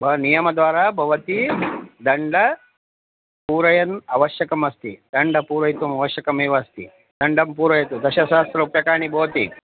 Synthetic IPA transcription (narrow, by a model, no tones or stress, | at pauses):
bʱɐnijɐmɐd̪ʋaːɾaːbʱɐʋɐt̪id̪ɐɳɖɐ | puːɾɐjɐnɐʋɐʃjɐkɐmɐst̪id̪̥ɐɳɖɐpuːɾʋɐjt̪umɐʋɐʃjɐkɐmeːʋɐst̪ḭ | d̪̥ɐɳɖɐmpuːɾɐjɐt̪ud̪ɐʃɐʃaːst̪ɾɐupjɐkaːɳibʱɐʋɐt̪ḭ